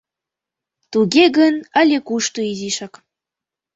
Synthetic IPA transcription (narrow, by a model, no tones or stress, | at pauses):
t̪uɣeɣənə̆lʲekuʃt̪uiziʃɑk